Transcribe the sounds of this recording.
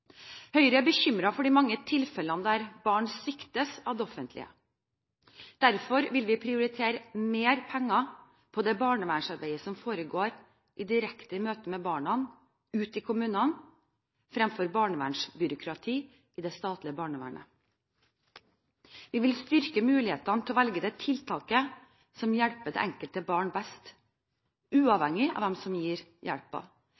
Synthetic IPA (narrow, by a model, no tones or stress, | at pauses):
hœʏɾəæbəçʏmɾɑfɔɖiːmɑŋːət̪ʰɪlfɛlɑnəd̪ɛæɾbɑːɳsʏkt̪əsɑʋd̪ɛɔfənt̪ʰlɪ̰ə̰ | d̪̥æɾfɔɾʋɪlʋɪpʰɾɪʊɾɪt̪ʰeːɾəmeːɾpʰɛŋːɑ | pʰɔd̪ɛbɑːɳəʋæːɳʂɑɾbæɪəsɔmfoːɾəɡoːɾ | ʔɪd̪ɪɾɛkt̪əmøːt̪əmɛbɑːɳɑn | ʉːt̪ɪkʰʊmʉːnɑn | fɾɛmfɔɾbɑːɳəʋæːɳʂbʏɾʊkʰɾɑt̪ʰiː | ʔɪːd̪ɛst̪ɑːt̪lɪəbɑːɳəʋæ̰ːɳə̰ | ʋɪʋɪlst̪ʏɾkəmʉːlɪheːt̪ɑnət̪ʰɪlɔʋælɡəd̪ɛt̪ʰɪlt̪ʰɑːkə | sɔmjæɽpəɖ̪ɛ̰ʔɛŋkəlt̪əbɑːɳbɛst̪ | ʉːɑʋhɛŋɪɑ̰ʋd̪ɛmsɔmjiːɾjæɽpɑ̰